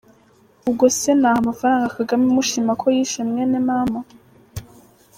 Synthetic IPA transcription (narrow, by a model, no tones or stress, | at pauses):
uɡo̞senaːhamafaɾaːŋɡakaɡamimuʃimakʰojiʃemŋenenama